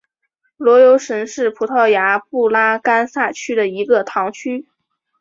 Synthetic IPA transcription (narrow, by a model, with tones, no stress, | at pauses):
lwɔ˧˥jo˧˥ʊʂə˧˥nʂɻ̩˥˩pʰu˧˥t̪ʰɑ˥˩ʊja˧˥pu˥˩la˥ka˥nsa˥˩t͡ɕʰy˥d̪ə˨i˧˥ɡə˧t̪ʰɑ˧˥ŋt͡ɕʰy˥